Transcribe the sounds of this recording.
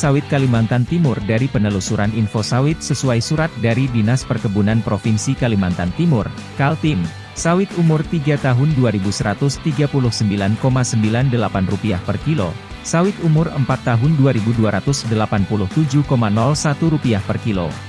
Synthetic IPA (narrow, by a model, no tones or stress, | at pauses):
sawɪt̪̚kalimant̪ant̪imʊrdaɾipənəlusuɾʔaninfosawɪt̪̚səsuajsuɾat̪̚daɾidinaspərkəbunanpɾofinsikalimant̪ant̪imʊrkalt̪ɪm | sawɪt̪umʊrt̪iɡat̪aɦʊnduaɾibusəɾat̪ʊst̪iɡapulʊhsəmbilankomasəmbilandəlapanrupia̰hpərkilo̰ | sawɪt̪umʊrəmpat̪ːaɦʊnduaɾibuduaɾat̪ʊsdəlapanpulʊht̪ud͡ʒʊhkomanɔlsat̪uɾupiahpərkilo̰